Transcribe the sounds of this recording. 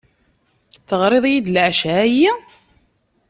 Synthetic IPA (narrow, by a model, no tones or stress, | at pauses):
θəʁɾˤeðˤjid̪lʕʃææjːæ